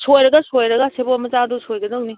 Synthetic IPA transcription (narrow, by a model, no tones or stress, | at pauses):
sojɾɐɡɐsojɾɐɡɐsebomɐt͡ʃadosojɡɐdok̚ni